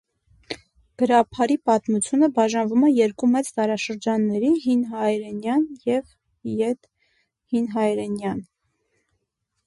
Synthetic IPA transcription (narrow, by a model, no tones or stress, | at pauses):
ɡ̥əɾɑpʰɑɾipɑt̪mut͡sʰjunəbɑʒɑnvumɛjɛɾkumɛt͡st̪ɑɾɑʃəɾd͡ʒɑnːɛɾiɦinɦɑjɾɛnjɑnjɛv | jɛt̪ | hinɦɑjɾɛnjɑn